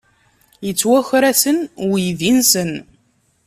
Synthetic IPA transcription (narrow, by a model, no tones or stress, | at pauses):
jət͡sːwæçɾæsənjðinsən